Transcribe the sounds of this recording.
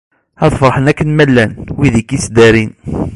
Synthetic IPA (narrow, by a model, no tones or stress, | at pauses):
æðˤfəɾˤħənækːənmælːænwiðikːisd̪æɾin